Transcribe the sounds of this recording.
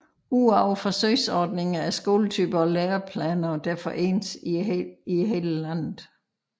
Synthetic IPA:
uɑʊ̰fɒ̽søɪsɒːd̥ne̝ŋɐæɐsɡ̥o̝̰ːlət͡sʰyːb̥ɐɒ̽leːɐpʰlɛnɐd̥æɐfɒʔḛːnsiihe̝ːləlæn̰ð̩ˠ

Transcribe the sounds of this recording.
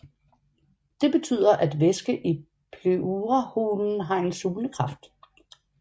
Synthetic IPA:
d̥e̝b̥e̝t͡sʰy̰ð̰ˠɐʔæd̥ʋesɡ̥əʔi | pʰlyuʁɐhuːnn̩ɦɑ̈e̝nsuːləkʰʁɑ̈fd̥

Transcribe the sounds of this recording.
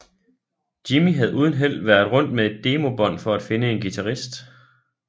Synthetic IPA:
d̥imiɦæð̞̩ˠʔuð̞ˠən̩ɦel̰ʋæɐð̩ˠʁɔ̽n̰d̥̚mee̝d̥ːe̝ːmo̝b̥ɒ̽n̰fɒ̽æd̥fe̝nəe̝nɡ̥it͡sʰæʁisd̥

